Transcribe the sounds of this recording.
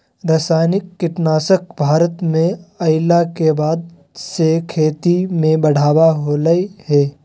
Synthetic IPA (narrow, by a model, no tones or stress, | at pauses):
ɾəsaːnɪkːɪʈnaːsək̚bʱaːɾət̪mẽɐɪlakebaːd̪̚ | sekʰeːt̪imẽbɐɽ̤aːwaɦoːləihɛː